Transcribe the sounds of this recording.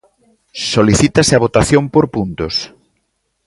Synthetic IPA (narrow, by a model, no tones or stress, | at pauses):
soliθit̪asɪaβ̞ot̪aθjompoɾpunt̪os